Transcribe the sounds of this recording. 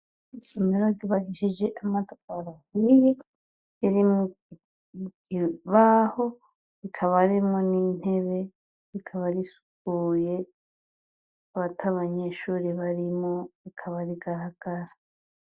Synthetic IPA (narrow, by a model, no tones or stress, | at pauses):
isomeɾoɡiβad͡ʒiʃed͡ʒeʔamatofaɾahiɾi | iɾimu | ɡiβaho̞ | βikʰaβaɾimonin̥he̞βe̞ | βikʰaβaɾisu̥kuːje̞ | βatʰaβaɲe̞ʃuːɾiβaɾimoβikʰaβaɾiɡaɾaɡ̥aɾa